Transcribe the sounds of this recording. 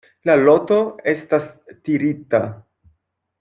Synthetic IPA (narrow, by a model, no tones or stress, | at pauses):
lalo̞to̞e̞stastiɾita